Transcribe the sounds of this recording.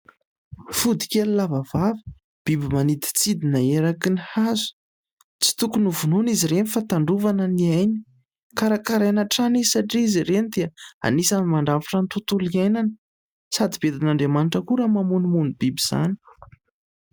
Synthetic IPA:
fud̪i̥kʲelilavavavə̥ | b̥ibimanid̪i̥t͡sid̪inaeɾakinihazu̥ | t͡si̥t̪ukunuvunoniziɾenifat̪aɳɖ͡ʐuvanəniajni̥ | kaɾakaɾanəʈ͡ʂanisaʈ͡ʂiiziɾenid̪eaa̰nisanimaɳɖ͡ʐaviʈ͡ʂant̪ut̪uliajnanə̥ | sad̪ibed̪inaɳɖ͡ʐemanʈ͡ʂəkuɾamamunimunibibiz̥a̰ni̥

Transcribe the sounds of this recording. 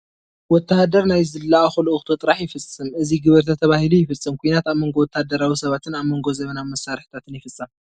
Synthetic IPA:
wɔt̪ʰːahad̪ɐɾnajzɨlːaʔaxuloʔuxt̪ʰɐt̪ʼɨɾaħjɪfɨsʼɨmʔɨziɡɨβɨɾt̪ʰat̪ʰɐβahilujɪfɨsʼːɨmkʰujnat̪aβmo̞ŋɡo̞wɔt̪ʰːahd̪ɐɾawisɐβat̪ʰɨnaβmo̞ŋɡo̞zɐβɐnamɐsːaɾħt̪ʰat̪ʰɨnjɪfɨsʼːɐm

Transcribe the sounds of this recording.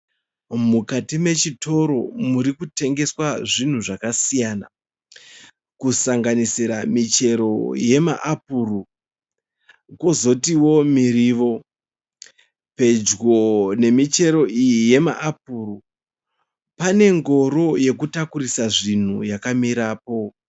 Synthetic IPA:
mukatime̞t͡ʃito̞ɾo̞muɾikute̞ŋɡe̞swaʐin̤uʐakasijaːna̰ | kusaŋɡanisiɾamit͡ʃe̞ɾo̞̰je̞ma̰ʔapuːru | ko̞zo̞tiwo̞miriʋo̞ | pe̞d͡ʒɡo̞ne̞mit͡ʃe̞ɾo̞ʔijije̞ma̰ʔap̚uru | pane̞ŋɡo̞ɾo̞je̞kutakuɾisaʐin̤ujakamiɾaːp̚o̞

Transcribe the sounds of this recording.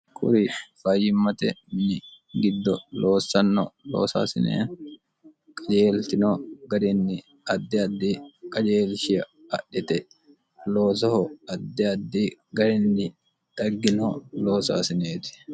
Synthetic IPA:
kʼʊ̰ɾifajɪmːɐt̪ɛmɪnɪ | ɡɪd̪ːɔloːsɐnːɔ̰lo̰ːsa̰ːsɪnḛː | kʼɐd͡ʒeːlt̪ɪnoɡɐɾɪnːɪ | ɐd̪ːɛɐd̪ːikʼɐd͡ʒeːlʃɪjɐɐ̰ɗːɪt̪ɛ | loːs̬ɐhɔɐd̪ːɛɐd̪ːiɡɐɾɪnːɪ | d̪̥ɐɡːɪnoloːsa̰ːsɪneːt̪ɪ̥

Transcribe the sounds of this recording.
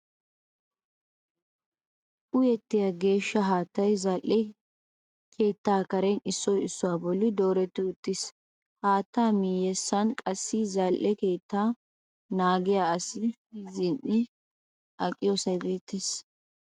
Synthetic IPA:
ʔʊjɛt̪ːɪjaɡe̞ːʃːɐɦaːt̪ːɐjzɐlʔɛ | kʰe̞ːt̪ːaːkɐɾɛnɪsːɔjɪsːʊwaːbɔlːɪd̪o̞ːɾɛt̪ːɪʊt̪ːɪs | haːt̪ːaːmiːjɛsːɐnkʼɐsːɪzɐlʔɛke̞ːt̪ːaː | naːɡɪjaːɐsɪ | izɪnʔɪ | ʔɐkʼɪjoːsɐjbeːt̪ʰːes

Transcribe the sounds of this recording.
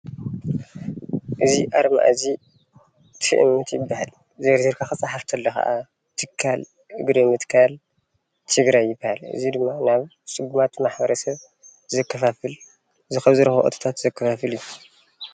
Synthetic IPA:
ʔɨziʔaɾma̰ʔzi | t̪ʰɨ̰ʔɨmːɨt̪jɪbːahal | zeɾziɾkʰaxɨt͡sʼaħaft̪ʰɐlːɐxɐ̰ʔa | t̪ʰɨkʰːal | ɨɡɾimɨt̪kʰal | t̪ʰɨɡɾajːɪbːhalɨ̰zid̪ɨmːanaβ | sʼɨɡumat̪maħbɐɾɐsɐβ | zɐkːɐfafɨl | ɨzixɐβzɨɾxɐ̰ʔo̰t̪ʰḁt̪ʰat̪zɐkʰːɐfafɨlju

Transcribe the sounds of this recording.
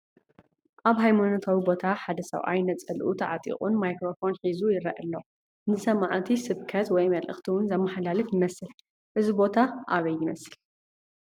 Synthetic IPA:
ʔaβɦajmanot̪ʰawibo̞t̪ʰaħad̪ɐsɐ̰wʔa̰jnɐt̪t͡sʼɐlʔut̪ʰɐʕat̪ʼḭχʼunmajkɾo̞fo̞nħizujɪɾɐʔɐlːo | nɨsɐmaʕt̪ʰisɨβkʰɐt̪wɔjmɐlʔɨ̰xt̪ʰiwʊnzɐmːɐħalalɨfjɪmɐsɨl | ʔɨzibo̞t̪ʰaʔaβɐjːɪmɐsɨl

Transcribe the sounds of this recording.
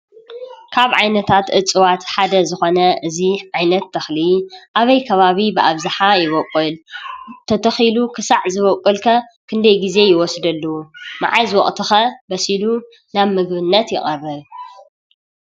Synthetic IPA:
kʰaβʕajnɐt̪ʰat̪ʔɨt͡sʼɨwat̪ħad̪ɐzɨxo̞nɐʔɨziʕajnɐt̪ʰːɐxliʔaβɐjkʰɐβaβibɨʔaβzaħajɪβɔkʼːɨlt̪ʰɐt̪ʰɐxilukʰɨsaʕzɨβɔkʼːɨlkʰɐkʰɨnd̪ɐjɡize̞jɪwɔsd̪ɐlːɐwuma̰ʕajzɨwɔχʼt̪ʰɨxɐbɐsilu | naβmɨɡβɨnːɐt̪jɪχʼɐrːɨβ

